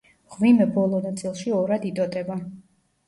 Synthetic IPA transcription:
ʁvimɛbɔlˠɔnat̪sʼilˠʃiɔɾad̪it̪ʼɔt̪ʼɛba

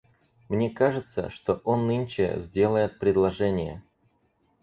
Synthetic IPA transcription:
mnʲekaʐɨt̪sə̰ʂt̪o̞ʔonːɨnʲt͡ɕɪzʲdʲe̞lˠəjɪt̪̚pɾʲɪd̪lˠɐʐɛnʲɪjə̰

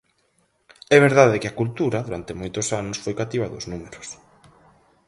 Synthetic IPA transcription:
ɛβeɾðaðɪkɪɐkult̪uɾɐðuɾant̪ɪmojt̪osanʊsfojkat̪iβɐðʊ̰znumeɾʊs

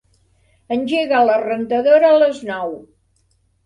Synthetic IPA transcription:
ənʲʒeɣələrənt̪əðoɾəːləznɔw

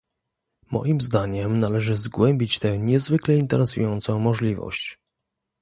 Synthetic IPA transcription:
mɔ̰jimzd̪aɲɛmnalɛʐɘzɡwɛmʲbʲit͡ɕt̪ɛɲɛzvɘklɛint̪ɛɾɛsṵjɔnt̪sɔ̃w̃mɔʐlʲivɔ̰ɕt͡ɕ

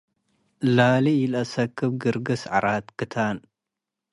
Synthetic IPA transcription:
lalijɪlɐsɐkʰːɨβɡɨɾɡɨsʕaɾat̪kʰɨt̪ʰan

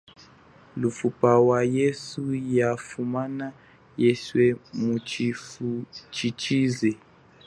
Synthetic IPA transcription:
lufupawajesujafumana | jɛswɛmu | t͡ʃʰit͡ʃizɛ

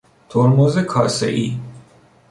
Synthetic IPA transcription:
t̪ʰoɾmozekʰɒːsḛʔiː

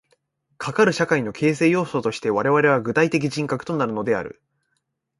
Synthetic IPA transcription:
kʰakaɾɯ̟ɕakaino̞kʰe̞ːse̞ːjo̞ːso̞t̪o̞ɕi̥t̪e̞βaɾe̞βaɾe̞β̞aɡɯ̟t̪ait̪e̞k̬ʲiʑĩŋkakɯ̟̥t̪o̞naɾɯ̟no̞d̪e̞a̰ɾɯ̟̰

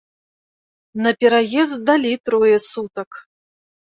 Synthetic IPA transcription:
nɐpʲɛɾajɛzd̪d̪alʲit̪ɾɔjɛsut̪ɐk

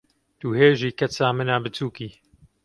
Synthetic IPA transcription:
d̪̥uːheːʒiːkɐt͡saːmɨnaːbɨt͡suːkiː

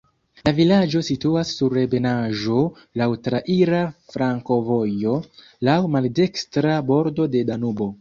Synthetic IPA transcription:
lavilad͡ʒo̞situasːuɾe̞be̞naʒo̞ | lawtɾaʔiɾafɾaŋko̞vo̞jo̞ | lawmalde̞kstɾabo̞ɾdo̞de̞danubo̞

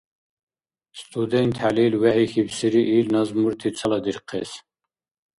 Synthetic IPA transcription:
st̪ʼʰud̪ɛnt̪ʰalilwæhixibsiɾiʔilnɑzmuɾt̪ʰit͡sʰɐlɑd̪iɾqʰɛs

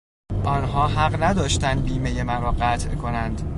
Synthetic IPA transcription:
ʔɒːnɦɒːɦæɢnæd̪ɒːʃt̪ænd̪̚biːmejemæɾɒːɢæt̪ʰʔkʰo̞nænd̪̥

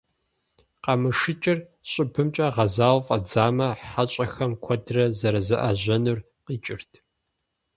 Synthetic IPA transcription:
qɑmɨʂɨt͡ʃʼɪr | ɕʼɪpʰɨmt͡ʃʼɐʁɐzaːwfʼɐd͡zaːmɐħat͡ʃʼɐxɐmkʷʰɔdrɐzɐɾɐzɐʔɐ̰ʑɐnur | qiːt͡ʃʼɪrtʰ

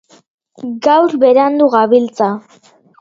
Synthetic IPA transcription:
ɡawɾβe̞ɾand̪uɣaβilt͡sa

